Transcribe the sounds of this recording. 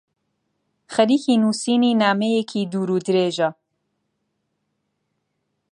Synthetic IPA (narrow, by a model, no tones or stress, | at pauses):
xɐɾiːçiːnuːsiːniːnaːmejekʰiːd̪uːɾuːd̪ɾeːʒɐ